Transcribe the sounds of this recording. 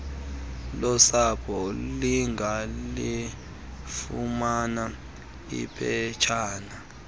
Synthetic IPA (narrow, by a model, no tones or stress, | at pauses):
lɔsapʰɔliŋali | fumana | ḭpʰʼɛt͡ʃʰaːna